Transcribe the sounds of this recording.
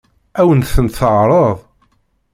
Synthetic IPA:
æwənθənt̪θəʁɾˤəðˤ

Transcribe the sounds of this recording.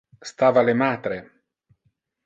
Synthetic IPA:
st̪aːvalemaːt̪ɾe

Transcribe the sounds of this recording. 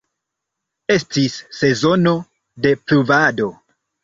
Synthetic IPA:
e̞stisːe̞zo̞no̞ | de̞pɾuvado̞

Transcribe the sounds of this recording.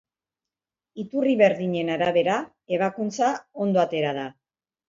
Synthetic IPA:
it̪uriβe̞ɾðiɲe̞naɾaβ̞e̞ɾa | e̞β̞akunt͡sao̞nd̪oat̪e̞ɾað̞a

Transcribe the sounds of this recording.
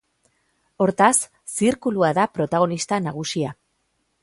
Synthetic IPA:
o̞ɾt̪asː | iɾkuluaðapɾo̞t̪aɣ̞o̞nist̪anaɣ̞usia

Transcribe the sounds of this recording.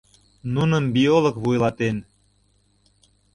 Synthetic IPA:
nunəmbiolɤ̆kβujlɑt̪en

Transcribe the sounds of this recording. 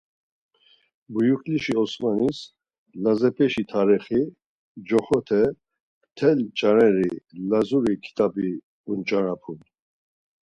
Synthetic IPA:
bujukʰʼliʃiɔsmanis | lazɛpʰɛʃit̪ʰaɾiχi | d͡ʒɔχɔt̪ʰɛ | t̪ʰɛlt͡ʃʼaɾɛɾilazuɾikʰi̥t̪ʼabi | unt͡ʃʼaɾapʰun

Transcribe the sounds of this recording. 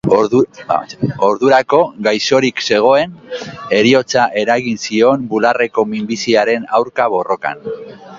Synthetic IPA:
oɾðuɾako̞ɣajso̞ɾikse̞ɣ̞o̞e̞ne̞ɾio̞t͡saʔe̞ɾaɣinsio̞mbulare̞ko̞mimbisiaɾe̞nawɾkaβ̞o̞ro̞ka̰n

